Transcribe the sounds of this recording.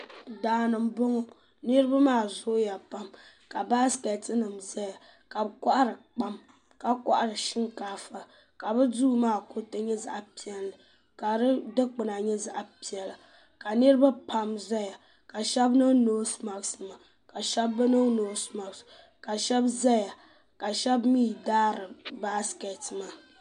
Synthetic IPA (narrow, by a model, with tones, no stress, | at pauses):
daː˨nɨ˨mbo˦ŋo˦ | nɨ˦ɾɨ˦ba˦maː˦˨zo˦ja˨pa˦m | ka˨ba˦ske˨tɨ˦nɨ˨mza˦ja˨ | ka˨bka˦ʔa˦ɾɨ˨k͡pa˦m | ka˨ka˦ʔa˦ɾɨ˨ʃɪ˦ŋkaː˦fa˨ | ka˨bɨ˦duː˦maː˦˨ko˦tɨ˦ɲɛ˦za̰˦ʔa˦pi˨ɛ˨lːɨ˨ | ka˨ɾɨ˦dɨ˦k͡pɨ˨na˨ɲɛ˦za˦ʔa˦pi˨ɛ˨la˨ | ka˨nɨ˦ɾɨ˦ba˦pa˦mza˦ja˨ | ka˨ʃɛ˦bnɨ˦noː˦sma˨snɨ˨ma˨ | ka˨ʃɛ˦bːɨ˦nɨ˦ŋno˨˦sma˨ks | ka˨ʃɛ˦bza˦ja˨ | ka˨ʃɛ˦bmiː˦daː˦ɾɨ˨ba˦ske˨tma˨